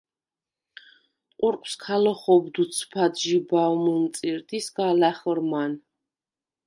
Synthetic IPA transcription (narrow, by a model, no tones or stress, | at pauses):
qʼuɾqʼwskʰalɔχɔbd̪ut̪sʰpʰad̪ʒibavmənt̪sʼiɾt̪ʼisɡalæχɾman